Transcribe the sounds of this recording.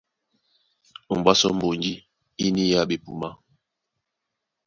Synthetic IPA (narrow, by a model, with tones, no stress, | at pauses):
bwa˦sɔ̰˦m̩˦˨bo˨nd͡ʒi˦ | i˦ni˦ja˦ɓe˨pu˨ma˦